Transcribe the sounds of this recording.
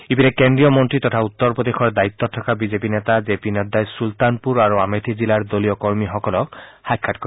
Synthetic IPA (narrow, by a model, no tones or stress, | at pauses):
ibinɛkendɹijɔmɔntɹit̪ɔtʰaut̪ːɔɹpɹɔd̪exɔɹd̪ait̪ːɔtʰɔkabizepinɛt̪azepinɔd̪ajsult̪anpuɹaɹuametʰizilaɹd̪olijɔkɔɹmixɔkɔlɔkhajkʰːatkɔ